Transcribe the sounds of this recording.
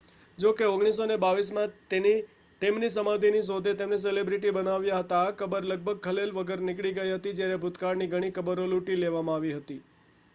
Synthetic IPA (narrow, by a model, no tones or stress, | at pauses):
d͡ʒokeoɡɽ̃is̬onebaʋismãt̪eni | t̪emnis̬əmãd̪ʱinis̬od̪ʱet̪emnes̬elebɾiʈ̬ibənaʋjaɦət̪aːkəbəɾləɡ̚bʱəɡ̚kʰəlelʋəɡəɾnɪkɽiɡəjɦət̪id͡ʒjaɾebʱut̪kaɾniɡʱəɽ̃ikəbəɾoluʈileʋamãaʋiɦət̪i